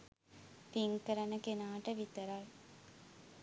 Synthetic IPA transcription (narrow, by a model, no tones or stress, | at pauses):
piŋkəɾɐnəkenaːʈəʋit̪əɾal